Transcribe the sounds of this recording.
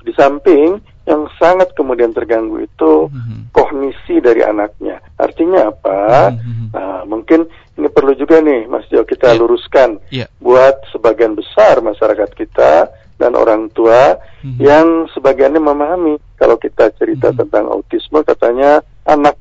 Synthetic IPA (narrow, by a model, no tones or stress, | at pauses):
disampɪŋ | jaŋsaŋat̪̚kəmudiant̪ərɡaŋɡṵḭt̪ukɔhnisidaɾḭʔa̰nak̚ɲa̰ʔa̰rt̪iɲaːpa | əmuŋkɪn | inipərlud͡ʒuɡanɪhma̰siakit̪aluɾuskanbuat̪̚səbaɡianbəsarmaʃaɾakat̪̚kit̪a̰ | da̰nʔo̰ɾaŋt̪uajaŋsəbaɡianɲaməmaɦamika̰lawkit̪at͡ʃəɾit̪a̰t̪ənt̪aŋa̰ut̪isməkat̪aɲa | ʔanak̚